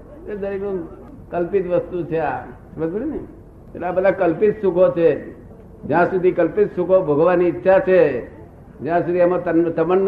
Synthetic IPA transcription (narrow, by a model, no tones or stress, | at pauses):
ed̪əɾinũ | kəlpɪt̪ʋəst̪ut͡ʃʰeasməd͡ʒbəɾine | elabəd̪ʱakəlpɪt̪sukʰot͡ʃʰe | d͡ʒjãsud̪ʱikəlpɪt̪sukʰobʱəɡʱʋaniːtːʃʰat͡ʃʰe | d͡ʒjãsud̪ʱiəmt̪ənt̪əmənː